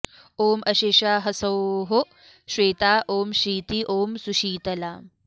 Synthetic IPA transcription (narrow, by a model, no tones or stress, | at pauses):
oːmɐɕeːɕaːɦɐsɐwɦo | ɕʋeːt̪aːʔoːmɕiːt̪iʔoːmsuɕiːt̪ɐlaː